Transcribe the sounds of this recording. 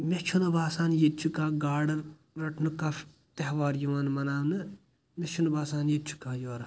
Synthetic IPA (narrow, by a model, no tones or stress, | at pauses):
mʲet͡ʃʰunɐbaːsaːnjet͡ʃʰukaːɡaːɾɖɐɾ | ɾɐʈʰnukaf | t̪ɐɦʋaːɾjuʋaːnmɐnaːnɨ | met͡ʃʰunɐbaːsaːnjet͡ʃʰu̥kaːjoːɾɐ